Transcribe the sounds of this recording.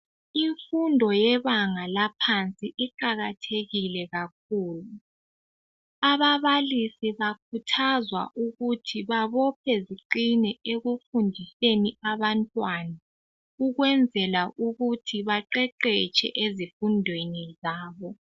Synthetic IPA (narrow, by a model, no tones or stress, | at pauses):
iɱfundʱɔjɛβaŋalapʰant͡sʼiʔiǃaɣatʰeɣilɛɣak̚ʰuːlu | aβaβalisiβakʰutʰazwa̰ʔuɣutʰiβaβɔpʰɛziǃinɛeɣufundʱiseniaβantʼwana | uɣwɛnd͡zʱɛlaʔuɣutʰiβaǃɛǃɛt͡ʃʰʼɛ̰ʔezifundʱwenizaːβɔ